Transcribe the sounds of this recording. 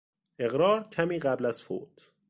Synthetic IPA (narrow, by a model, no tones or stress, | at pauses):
ʔe̞ɣɾɒːɾcʰæmiːɣæblæz̥fo̰ːt̪ʰ